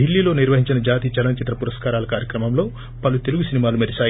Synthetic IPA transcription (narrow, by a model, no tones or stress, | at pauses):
ilːiːlo̞ːniɾʋɐɦiɲt͡ʃinɐd͡ʒaːt̪iːt͡ʃɐlɐnt͡ʃit̪ɾɐpuɾɐskaːɾaːlɐkaːɾjɐkɾɐmɐmlo̞ː | pɐlut̪e̞luɡusinimaːlumɐd̪ɐt͡ʃaː